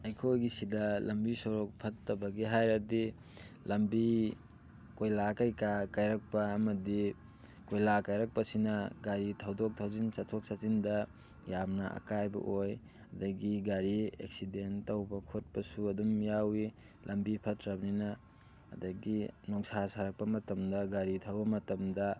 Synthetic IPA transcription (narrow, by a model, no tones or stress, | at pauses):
ɐjkʰojɡisidɐlɐmbisoɾok̚pʰɐtːɐbɐɡiɦajɾɐdi | lɐmbi | kojlakajkakajɾɐk̚pɐːmɐdi | kojlakajɾɐk̚pɐsinɐɡaɾitʰawdok̚tʰawzinsatʰok̚sazindɐ | jamnɐa̰kajbɐ̰ʔoj | ɐdɐɡiɡaɾiḛksidentɐwbɐkʰot̚pɐsuɐdumjawi | lʔɐmbipʰɐtɾɐbninɐ̰ː | dɐɡinɔksasaɾɐk̚pɐmɐtɐmdɐɡaɾitʰɐwbɐmɐtɐmdɐ